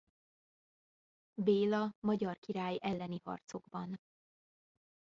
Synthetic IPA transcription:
beːlɒmɒɟɒrkiɾaːjɛlːɛnihɒ̰rt̪so̞ɡbɒn

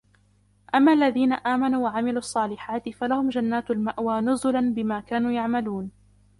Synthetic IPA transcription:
ʔamːaːʔalːaðiːnaʔaːmanuːwaʕamɪluːʔɑsˤːɑːlɪħaːt̪ɪfalahʊmd͡ʒanːaːt̪almaʔwaːnʊzʊlanbɪmaːkaːnuːjaʕmaluːn

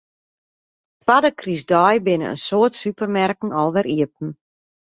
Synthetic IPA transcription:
tʋadəkrisdɔjbɪnə̰ə̰nsoətsypərmɛrkn̩ɔlˠʋɛɾiəp̚n̩

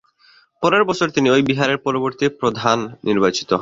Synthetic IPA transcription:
pɔɾeɾbɔt͡ɕʰoɾt̪iniojbiɦaɾeɾpɔɾoboɾt̪ipɾod̪ʱanːiɾbat͡ɕi̥t̪oɦ

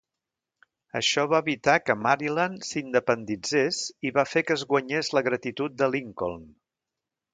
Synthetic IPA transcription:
ə̰ʃɔβaːβit̪akəmaɾilansind̪əpənd̪id͡zesiβafekəːzɣwəɲezləɣɾət̪it̪ut̪̚d̪əliŋko̰lˠn

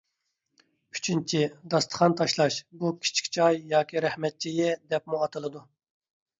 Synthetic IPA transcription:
yt͡ʃʰint͡ʃʰid̪ɑst̪ʰə̥χʰɑnt̪ʰɑʃlˠɑʃbukʲʰi̥t͡ʃʰi̥kʲt͡ʃʰɑjːɑːkʲʰiɾɛhmɛt̪̚t͡ʃʰijɪd̪ɛp̚muɑt̪ʰɨlˠɨd̪u

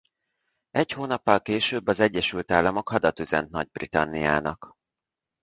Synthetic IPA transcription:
ɛchoːnɒpːɒlkeːʃøːbːɒzɛɟːɛʃylt̪aːlːɒmo̞khɒd̪ɒt̪yzɛ̰nt̪̚nɒɟ̚brit̪ɒnːija̰ːnɒk

